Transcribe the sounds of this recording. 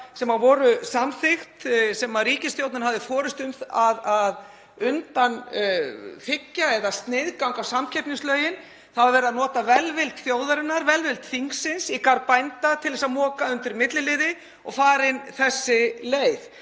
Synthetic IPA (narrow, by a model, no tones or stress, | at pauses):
sɛmavɔːɾʏsamθɪxt̪sɛmaɾiːcɪst̪jowt̪nɪnɾɦavðɪfɔːɾɪst̪ʏmθaðað | ʏnt̪an | fɪcːaɛðast̪nɪðkawŋkawsamcʰɛpnɪŋslœːɥjɪn | θavaɾvɛːɾɪaðnɔːt̪avɛlvɪlt̪θjoːwðaɾɪnːaɾvɛlvɪlt̪θiŋksɪnsikaɾpajnt̪at̪ʰɪlθɛs̬amɔːkaʏnt̪ɪɾmɪt̪lɪlɪðɪ | ɔ̰ɣfaːɾɪnθɛsːɪleːjθ